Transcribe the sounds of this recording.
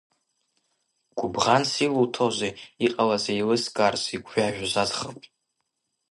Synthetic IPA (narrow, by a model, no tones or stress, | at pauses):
ɡ̥ʷʊbʁansiluwtʰozeiqʼalazailɨskʼarsiɡʷʰʼʒaʒᶣzazχapʼ